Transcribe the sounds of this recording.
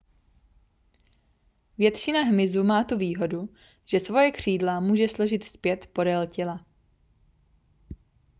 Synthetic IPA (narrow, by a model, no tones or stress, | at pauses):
vjɛt̪ʃɪnaɦmɪzumaːt̪uviːɦo̞du | ʒ̥ɛsvo̞jɛkr̝̥iːdlamuːʒɛslo̞ʒɪt̪spjɛt̪po̞dɛlcɪla